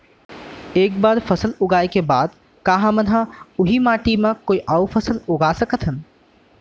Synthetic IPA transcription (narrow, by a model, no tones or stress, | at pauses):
eːkbaːɾfɐsəlʊɡaːekebaːd̪ | kaːɦãmənɦãʊɦimaːʈimãkoːiʔaʊfʰəsəlʊɡaːsəkət̪ʰɦən